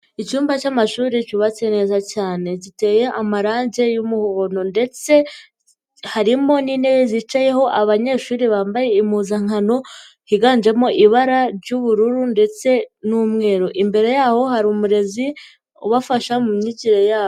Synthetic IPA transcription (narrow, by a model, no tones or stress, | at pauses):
it͡ʃuːmbacamaʃuːɾicuβat͡se̞ne̞ːzacaːne̞ɟite̞je̞ʔamaɾaːɲɟe̞jumuhoono̞nde̞t͡se̞ | haɾimo̞niːnejeziːt͡ʃaje̞ɦo̞ʔaβaɲe̞ʃuːɾiβaːmbaje̞imuzaŋ̥ano̞ | hiɡaːnd͡ʒe̞mo̞ʔiβaɾaɾɟuβuɾuɾunde̞t͡se̞nuːmŋe̞ːɾoʔimbe̞ɾe̞jaːho̞haɾumuɾe̞zi | uβafaʃamumɲiɟiɾejaːo